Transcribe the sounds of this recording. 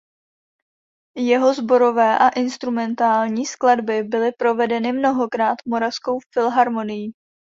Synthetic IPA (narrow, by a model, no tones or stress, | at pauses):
jɛɦo̞zbo̞ɾo̞vɛːʔaʔɪnst̪ɾumɛnt̪aːlɲiːskladbɪbɪlɪpɾo̞vɛdɛnɪmno̞ɦo̞kɾaːt̪mo̞ɾafsko̞wfɪlɦaɾmo̞nɪji